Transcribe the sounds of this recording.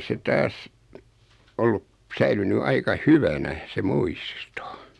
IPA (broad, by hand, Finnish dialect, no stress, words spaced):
se tɑːs olːup sæilyny ɑikɑ hyʋænæ se muisto